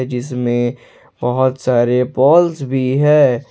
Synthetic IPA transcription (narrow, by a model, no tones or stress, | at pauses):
d͡ʒɪsmẽ | bɐɦʊt̪saːɾepɔːlsbʱiɦɛː